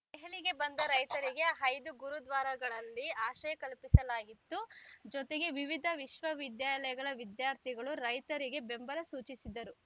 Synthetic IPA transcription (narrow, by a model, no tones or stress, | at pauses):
d̪ɛɦeliɡe̞bɐnd̪ɐɾɐjt̪ɐɾiɡe̞ɦɐjd̪uɡuɾud̪ʋaːɾɐɡɐɭɐlːiaːʃɐjɐkɐlpisɐlaːɡit̪ːud͡ʒɔt̪eɡe̞ʋiʋid̪ʱɐʋiʃʋɐʋid̪jaːlɐjɐɡɐɭɐʋid̪jaːɾt̪ʰiɡɐɭuɾɐjt̪ɐɾiɡe̞be̞mbɐlɐsuːt͡ʃisid̪ːɐɾu